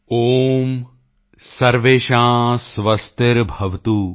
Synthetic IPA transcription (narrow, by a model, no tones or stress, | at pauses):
oːm | sɐɾʋeːʃãːsʋɐst̪eɾbʱɐʋt̪uː